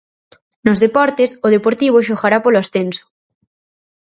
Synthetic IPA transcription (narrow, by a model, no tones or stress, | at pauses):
nozðepɔɾt̪esoð̞epoɾt̪iβ̞oʃoɣaɾapoloasθenso̥